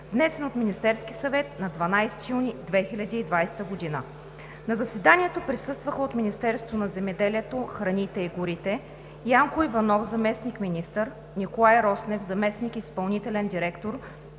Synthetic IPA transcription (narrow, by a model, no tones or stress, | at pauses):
vnɛsɛnot̪minist̪ɛɾskʲisɐvɛt̪nɐd̪vɐnajst̪junid̪vɛxilʲɐd̪iːd̪vajst̪əɡod̪inə | nɐzɐsɛd̪anʲiɛt̪opɾisɤst̪vəxəot̪minʲist̪ɛɾst̪vonɐzɛmɛd̪ɛliɛt̪oxɾɐnit̪ɛiɡʊɾit̪ɛ | jaŋkʊivɐnɔfzɐmɛsnikminist̪əɾ | nikolˠajɾɔsnɛfzɐmɛsnikispɐlˠnit̪ɛlɛnd̪iɾɛkt̪oɾ